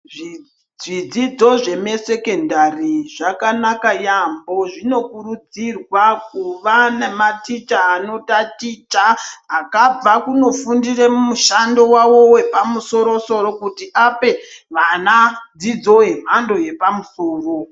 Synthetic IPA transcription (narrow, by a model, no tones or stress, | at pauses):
ʐi | ʐid͡zid͡zo̞ʐe̞me̞se̞ke̞ndariʐakanakajambo̞ʐino̞kuɾud͡zirwakuʋanamatit͡ʃaano̞tatit͡ʃaɦakab͡vakuno̞fundiremmuʃando̞wawo̞we̞pamuso̞ɾo̞so̞ɾo̞kutiʔape̞ʋanad͡zid͡zo̞ɦe̞m̤ando̞je̞pamuso̞ːro̞